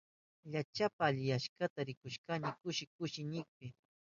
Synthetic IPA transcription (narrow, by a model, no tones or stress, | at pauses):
ʎat͡ʃapaːʎɪjaʃkat̪aɾɪkʊʃkanɪkʊʃɪkʊʃɪnɪk̚pɪ